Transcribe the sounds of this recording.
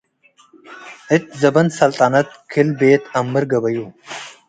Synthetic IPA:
ɪt̪̚zɐbɐnsɐlt̪ʼaːnɐt̪̚kʰɪlbeːt̪ʰɐmːɨɾɡɐbɐjuː

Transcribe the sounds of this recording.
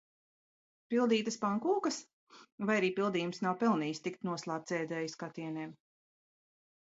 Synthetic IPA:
pilˠd̪iːt̪aspaŋkuːkɐs | vajaɾiːpilˠd̪iːjumsnawpɛlˠniːjst̪ik̚t̪nuɔslˠaːp̚t̪zɛːd̪ɛːjiskat̪iɛneːm

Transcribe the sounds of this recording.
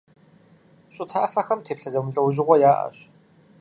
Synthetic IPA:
ɕʼʊtʰaʔɐfɐxɐmtʰeːpɬɐzɐmʊɬʼɐwʑɪʁʷɔjaːʔɐ̰ɕ

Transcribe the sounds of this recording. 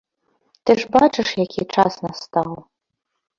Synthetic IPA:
t̪ɨʐbat͡ʂɨʂjakʲʰit͡ʂasnɐst̪aw

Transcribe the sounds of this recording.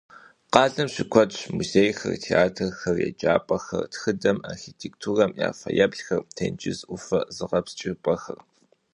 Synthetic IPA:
qɑːɮɐmɕɪkʷʰɔɕmuzeːjxɐ̰rtʰeaːtʰɨrxɐrjɛ̰d͡ʒaːpʼɐxɐ̰rtxɨdɐmarxitʰek̚tʰuːrɐmja̰ːfɐjɐbɮxɐrtʰɐnt͡ʃʼɪzʔʷʊfɐzɨʁɐpst͡ʃʼɪpʼɐxɐr

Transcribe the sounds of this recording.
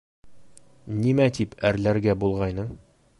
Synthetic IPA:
nimæt̪ipæɾlæɾɡæbulˠʁɑjnɤɴ

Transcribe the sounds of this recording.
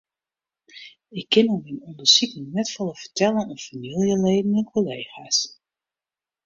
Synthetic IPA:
ɪkʰːɪnominɔndəsikəŋnɛtfɔlˠəfətɛlˠənənfamilˠjəleːdənmɛnkʰoleːxas

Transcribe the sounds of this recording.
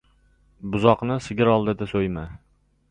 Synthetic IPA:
bʊzɒqnɪsɪɡʲɪɾɒlˠd̪ɪd̪asojma

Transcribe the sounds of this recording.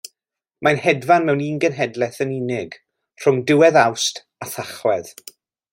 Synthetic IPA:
majnhɛdvanmɛwniːnɡənɦɛdlɛθənɪnɪɡ | r̥ʊŋdɪwɛðawstʰ | aθaχwɛð

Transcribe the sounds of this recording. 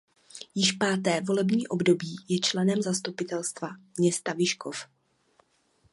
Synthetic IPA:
jɪʃpaːt̪ɛːvo̞lɛbɲiːʔo̞bdo̞biːjɛt͡ʃlɛnɛmzast̪upɪt̪ɛlst̪vamɲɛst̪avɪʃkof

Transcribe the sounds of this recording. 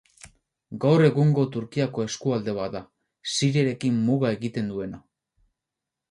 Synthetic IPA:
ɡawre̞ɣuŋɡo̞t̪uɾkiako̞e̞skuald̪e̞β̞aða | siɾeɾe̞kimmuɣae̞ɣit̪e̞nd̪ue̞na

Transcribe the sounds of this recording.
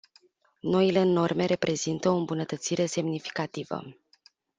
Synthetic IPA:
no̞ile̞no̞rme̞ɾe̞pɾʔe̞zint̪əoɨmbunət̪ət̪siɾe̞se̞mnifi̥kat̪ivə̰

